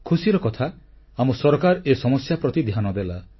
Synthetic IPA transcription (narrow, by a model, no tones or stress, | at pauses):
kʰusiɾɔkɔt̪ʰa | amɔsɔɾɔkaɾesɔmɔsjapɾɔt̪id̪ʱjanɔd̪ela